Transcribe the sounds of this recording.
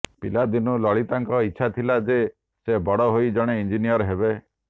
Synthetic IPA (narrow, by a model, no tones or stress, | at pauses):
pilad̪inulɔɭit̪aŋkɔitːʃʰat̪ʰilad͡ʒe | sebɔɽɔɦoid͡ʒɔɽ̃eind͡ʒinijɔɾɦebe